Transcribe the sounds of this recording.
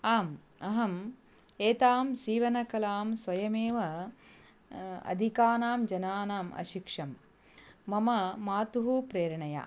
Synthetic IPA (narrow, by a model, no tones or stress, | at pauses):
aːm | ɐɦɐm | eːt̪aːmsiːʋɐnɐkɐlaːmsʋɐjɐmeːʋɐ | ɐ̰d̪ʱikaːnaːmd͡ʒɐnaːnaːmɐ̰ʃikʂɐmː | ɐmɐmaːt̪uɦupɾeːɾɳɐja̰ː